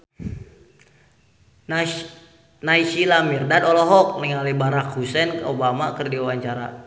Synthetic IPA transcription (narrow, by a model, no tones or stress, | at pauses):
naiʃilamirdad̪ɔlɔɦɔk̚niŋalibaɾakhusɛnobamakɨrdiawaɲt͡ʃaɾa̰